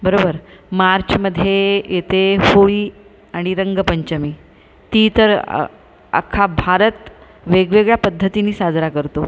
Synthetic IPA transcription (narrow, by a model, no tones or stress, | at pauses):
bəɾobəɾmaɾt͡ɕməd̪ʱːjejet̪ehoiː | aɽ̃iɾəŋɡəpəɲt͡ɕəmiː | t̪iːt̪əɾ̰ | a̰kʰabʱaɾət̪ | ʋeɡʋeɡɭjapəd̪ʱːət̪iniːsad͡zɾakəɾt̪o